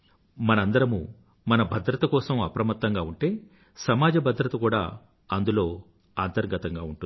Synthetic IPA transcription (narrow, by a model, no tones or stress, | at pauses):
mɐnɐɐnd̪ɐɾɐmṵ | mɐnɐbʱɐd̪ɾɐt̪ɐkɔːsɐmɐpɾɐmɐt̪ːɐŋɡaːuɳʈe̞ː | sɐmaːd͡ʒɐbʱɐd̪ɾɐt̪ɐkuːɽa̰ː | ɐnd̪ulo̞ː | aːnt̪ɐɾɡɐt̪ɐŋɡaːuɳʈun